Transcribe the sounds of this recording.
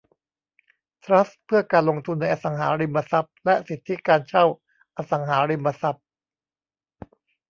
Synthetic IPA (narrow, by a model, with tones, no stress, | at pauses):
t̪ʰɾa˦˥spʰɯ˥˩ɐkaː˧nlo˧ŋt̪ʰu˧nːa˧jʔa˧˩sa˩˦ŋɦaː˩˦ɾi˧mːa˧sa˧˦˩p̚lɛ˦˥ʔsi˨˩t̪ʰːi˦˥kaː˧nt͡ɕʰa˥˩w | ʔa˧sa˩˦ŋɦaː˩˦ɾi˧mːa˧sa˨˩p̚